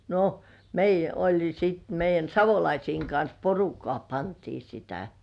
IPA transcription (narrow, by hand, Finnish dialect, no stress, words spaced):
no meijˑæ olʲ sit meijˑæn sɑʋolɑisiːŋ kɑns porukːŏɑˑ pɑntiː sitæ